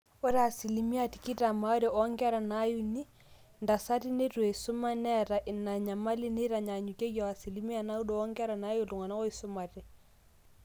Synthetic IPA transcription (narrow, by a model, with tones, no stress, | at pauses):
o˦ɾa˨si˨li˨mi˦a˨ti̥˨ki˦ta˨ma˦o˦ɾe˨ʔɔ˦ŋɡa˦ɾa˨na˦ju˦ni˦ | nda˨sa˦ti˦ne˦twe˨sʊ˦ma˦nɛ˦ɾa˨ʔɪ˨na˨ɲa˨ma˦li˦ne˦ɾa˨ɲa˨ɲu˨ke˦jɔ˨a˨si˨li˦mi˦a˨na˦u˦dɔ˨ɔ˦ŋɡa˦ɾa˨na˦ju˦˨lʊ˨ŋa˨na˦kɔ˦i˨sʊ˦ma˨tɛ˨